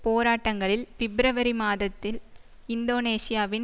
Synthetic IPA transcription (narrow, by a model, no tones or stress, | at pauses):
poːɾaːʈːɐŋɡɐɭɪlʋɪbɾɐʋɐɾimaːðɐt̪ːɪl | ɪnd̪oːneːsɪjaːʋɪn